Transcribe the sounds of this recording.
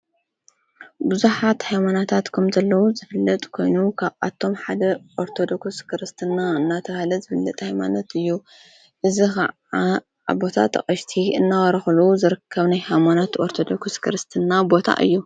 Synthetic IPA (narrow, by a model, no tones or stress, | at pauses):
bɨzuħat̪hajmanat̪ʰat̪kʰɐmzɐlːɐwuzɨfɨlːɐt̪ʼkʰo̞jnukʰaβa̰t̪ʰːo̞mħad̪ɐʔoɾt̪ʰo̞d̪o̞ksskʰɨɾɨst̪ʰɨnːaɨnːat̪ʰɐβahlɐzɨfɨlːɐt̪ʼhajmanot̪ɨjːu | ʔɨzixɐ̰ʕ | a | a̰bo̞t̪ʰa̰t̪ʰɐ̰χʼɐʃt̪ʰiɨnːawɐɾɐxluzɨɾɨkʰːɐβnajhajmanot̪ʔo̞ɾt̪ʰod̪o̞kskʰɨɾɨst̪ʰɨnːabo̞t̪ʰa̰ʔɨ̰jːu